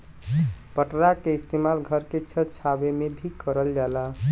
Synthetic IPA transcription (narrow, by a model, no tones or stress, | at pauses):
pəʈɾakeist̪emalɡʱəɾket͡ʃʰət͡ʃʰabemebʱikːəɾəld͡ʒala